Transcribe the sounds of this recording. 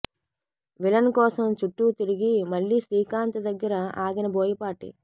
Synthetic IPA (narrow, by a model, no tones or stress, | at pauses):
ʋilɐnkɔːsɐmt͡ʃuʈːut̪iɾiɡimɐɭːiʃɾiːkaːnt̪ɐd̪ɐɡːɐɾɐaːɡinɐbʱoːjɐpaːʈḭ